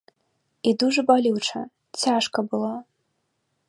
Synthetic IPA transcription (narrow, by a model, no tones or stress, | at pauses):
id̪uʐɨbalʲiwʈ͡ʂʰɐ̰ | t͡sʲʰaʂkɐbɨlˠa